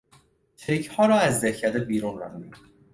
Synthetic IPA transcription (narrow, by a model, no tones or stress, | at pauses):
t͡ʃʰecʰhɒːɾɒːæzd̪ehcʰːæɾd̪ebiːɾunɾæ̰d̪uni